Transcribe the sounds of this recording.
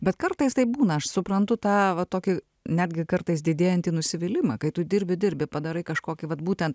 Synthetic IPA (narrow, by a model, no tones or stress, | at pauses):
bʲɛt̪kɐrt̪ɐɪst̪ɐɪbuːnɐɐʃsʊpɾɐnt̪ʊt̪ɑːʋɐt̪oːkʲɪ | nʲæːd̪ʲɡʲɪkɐrt̪ɐɪsd̪ʲɪd̪ʲeːjɛnʲt̪ʲiːnʊsʲɪʋʲɪlʲɪmɐːkɐɪt̪ʊd̪ʲɪɾʲbʲɪdʲɪɾʲbʲɪpɐd̪ɐɾɐɪkɐʃkoːkʲɪʋɐt̪buːt̪ʲɛnt̪